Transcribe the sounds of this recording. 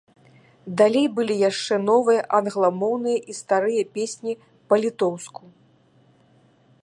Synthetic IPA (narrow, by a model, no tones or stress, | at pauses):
d̪alʲejbɨlʲijaʂt͡ʂɛnɔvɨjɐʔɐnɣlˠɐmɔwnɨjɐʔist̪aɾɨjɐpʲesʲnʲi | pɐlʲit̪ɔwsku